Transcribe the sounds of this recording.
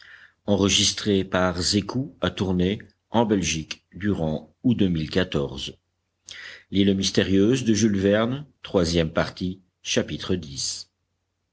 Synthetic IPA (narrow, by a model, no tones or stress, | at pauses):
ɑ̃ʁəʒist̪χepaʁzekʰuat̪uʁne | ɑ̃bɛlʒik | d̪yʁɑ̃ | ud̪əmilkat̪ɔʁz | lilmist̪eʁjøzd̪əʒylvɛʁnt̪χwazjɛmpaʁt̪i | ʃapit̪χəd̪is